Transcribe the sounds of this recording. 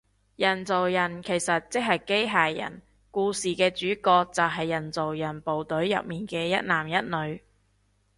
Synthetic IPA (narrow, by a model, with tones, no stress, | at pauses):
jɐ˨˩nt͡so˨wjɐ˨˩nkʰe˨˩jsɐ˨t̚t͡sɪ˥k̚ɦɐ˨jke˥jɦaː˨jjɐ̰˨˩n | kuː˧siː˨kɛː˧t͡ʃyː˨˥kɔː˧k̚t͡sɐ˨˩wɦɐ˨jːɐ˨˩nt͡so˨wjɐ˨˩npo˨wt̪ɵ˨˥ɥjɐ̰˨p̚miː˨nkɛː˧jɐ̰˥t̚naː˨˩mjɐ˥t̚nɵ˨˧ɥ